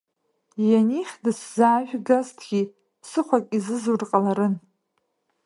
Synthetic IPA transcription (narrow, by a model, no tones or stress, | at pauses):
janiχʲdɨszaːʒᶣɡaztʰɡʲi | sɨχʷakʼizɨzurqʼalaɾɨn